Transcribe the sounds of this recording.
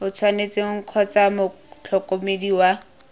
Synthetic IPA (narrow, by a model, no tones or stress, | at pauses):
ʊt͡sʰwanet͡sʼeŋ̩kʰɔt͡samʊ | t͡ɬʰɔkʼomediwa